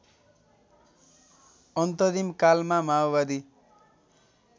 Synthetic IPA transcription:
ʌnt̪ʌd̪imkalmamawbad̪i

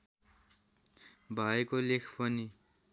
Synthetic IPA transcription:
bʱajkolekʰpʌni

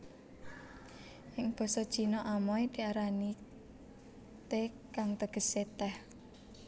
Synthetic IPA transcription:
ʔɪŋb̥ɔ̤sɔd̥ʒ̥i̤nɔʔamɔjd̪̥iaɾani | t̪e | kaŋt̪əɡ̥ə̤set̪ɛh

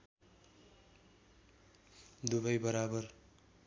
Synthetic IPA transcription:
d̪ubʌjbʌɾabʌr

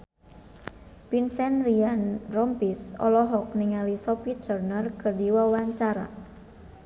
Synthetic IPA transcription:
pinsɛnrianrɔmpisɔ̰lɔɦɔk̚niŋalisɔpit̪ərnərkərdiwawaɲt͡ʃaɾa̰

